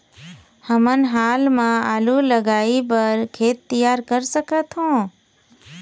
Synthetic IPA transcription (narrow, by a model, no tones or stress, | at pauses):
həmənɦaːlmãaːluləɡaːipəɾkʰeːt̪ːijaːɾkəɾsəkʰət̪ɦõː